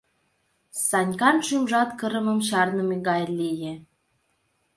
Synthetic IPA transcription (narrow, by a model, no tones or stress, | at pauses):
sɑnʲkɑnʃymʒɑt̪kəɾə̆mə̆mɕɑrnəmeɣɑjlijĕ